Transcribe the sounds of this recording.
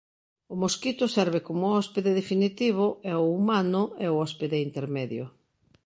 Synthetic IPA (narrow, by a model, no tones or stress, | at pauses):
ʊmoskit̪ʊsɛɾβekomʊɔspeðeðefinit̪iβ̞ʊɛoumanʊɛoɔspeðeint̪eɾmɛðjo̰